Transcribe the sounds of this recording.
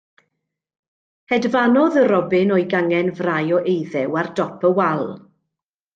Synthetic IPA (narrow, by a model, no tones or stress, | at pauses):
hɛdvanɔðəɾɔbɪnɔjɡaŋɛnvrajɔʔejðɛwardɔpʰəwalˠ